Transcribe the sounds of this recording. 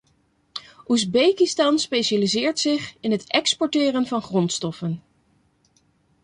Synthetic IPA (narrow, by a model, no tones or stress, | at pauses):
ʔuzbejkɪstɑnspejʃalizɪːɹtsɪχɪnɦətɛkspɔɹtɪːrənvɑnχrɔntstɔfən